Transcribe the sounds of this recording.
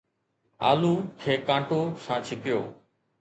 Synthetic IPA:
a̰lukʰekãʈoʃãt͡ɕʰikeo

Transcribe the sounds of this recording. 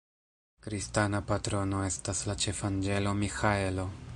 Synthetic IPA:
kɾistanapatɾo̞no̞e̞staslat͡ʃe̞fand͡ʒe̞lo̞mixae̞lo̞

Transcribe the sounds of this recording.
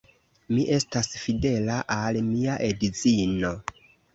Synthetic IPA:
miʔe̞stasfide̞laʔalmiaʔe̞dizino̞

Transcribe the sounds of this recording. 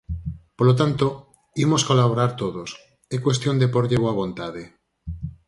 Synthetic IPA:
polot̪ant̪o | imoskolaβ̞oɾaɾt̪oðos | ekwe̞st̪jond̪epoɾʎeβoaβ̞õnt̪aðe

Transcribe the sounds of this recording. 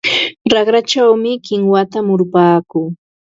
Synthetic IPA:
ɾɑχɾat͡ʃawmɪkɪŋwat̪amʊɾpaːkʊː

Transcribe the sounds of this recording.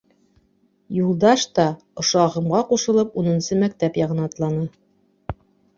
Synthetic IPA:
julˠd̪ɑʃt̪ɑ | ŏʃɑʁɤ̆mʁɑquʃɤ̆lˠɤpunɤ̆nsɤmæk̚t̪æpjɑʁɤ̆nɑt̪lˠɑnɤ

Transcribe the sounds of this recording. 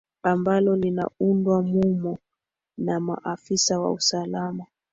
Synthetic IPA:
ambalɔlina̰undwamumɔ | nama̰ʔafisawa̰usalama

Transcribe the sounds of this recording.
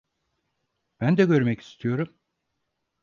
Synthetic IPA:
b̥ænd̪ɛɟø̞ɾmɛci̥st̪ʰijo̞ɾum

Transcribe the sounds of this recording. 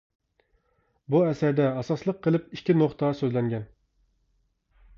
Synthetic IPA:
buɛsæɾd̪ɛɑsɑslˠəqʰːəlˠɨpiʃʲkʲinoχt̪ɑsøzlɛŋɡʲɛn

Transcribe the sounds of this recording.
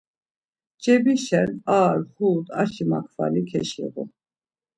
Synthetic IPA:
t͡ʃɛbiʃɛnaːɾhuːt̪aʃimakʰva̰likʰɛʃḭɣu

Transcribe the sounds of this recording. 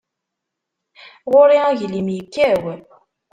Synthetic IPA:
ʁʊɾiæʝlimjəkːæw

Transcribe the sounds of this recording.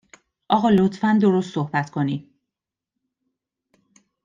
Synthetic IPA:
ʔɒːɣɒːlot̪ʰfænd̪o̞ɾost̪sohbæt̪kʰo̞ni̥

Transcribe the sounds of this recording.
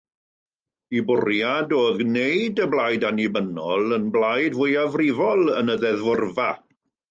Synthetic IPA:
ibʊrjadɔɡnejdəblajdanɪbənɔlˠənblˠajdvʊjavrɪvɔlˠənəðɛðvʊrva

